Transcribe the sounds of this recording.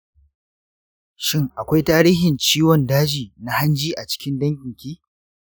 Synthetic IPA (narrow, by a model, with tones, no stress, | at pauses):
ʃɪ˦ŋʔa˨kʷa˦jtaː˦ɾiː˦ɦɪ˨nt͡ʃiː˦wɔ˨ndaː˦d͡ʒiː˨na˦ha˦nd͡ʒiː˦ʔa˨t͡ʃɪ̥˦kʲɪ˦ndɐ˦ŋkʲɪ˨ŋkʲiː˦